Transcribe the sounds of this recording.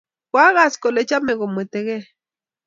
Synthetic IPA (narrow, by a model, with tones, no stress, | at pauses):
kwa˦ɣa˨sko˨le˨t͡ʃa˦me˨ɣo˨me˨t̪e˨ɣe˦